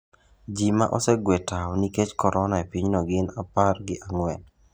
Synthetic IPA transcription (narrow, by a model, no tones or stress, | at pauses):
d͡ʒima̰ʔɔsɛɡwetaɔniket͡ʃkɔɾʔɔnaepiɲnɔɡɪnaparɡɪʔaŋwɛn